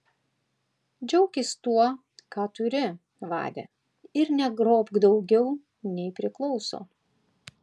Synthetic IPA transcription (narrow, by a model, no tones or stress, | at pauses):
d͡ʒʲɛʊkʲɪst̪uɔ | kɑːt̪ʊɾʲɪ | ʋɑ̰ːd̪ʲḛ | ɪɾnʲɛɡɾoːpɡd̪ɒʊɡʲɛʊ | nʲɛɪpʲɾʲɪklˠɒʊso̰ː